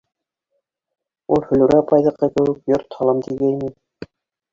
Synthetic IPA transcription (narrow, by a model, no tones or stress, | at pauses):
ulˠhɵ̆lɘ̆ɾæpʰɑjðɤ̆qːɑkɘ̆wɘ̆kjoɾt̪hɑlˠɑmt̪iɡæjmi